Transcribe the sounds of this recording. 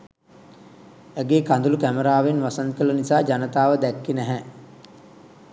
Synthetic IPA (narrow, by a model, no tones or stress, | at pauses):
æɡeːkand̪ulukæməɾaːʋenʋasaŋkələnisaːd͡ʒanət̪aːʋəd̪ɛkːinæɦɛ